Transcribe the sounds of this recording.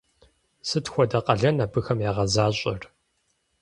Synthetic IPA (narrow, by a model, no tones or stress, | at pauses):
sɨtxʷɔdɐqʼɐɮɐnɐbɨxɐmjaːʁɐzaːɕʼɐr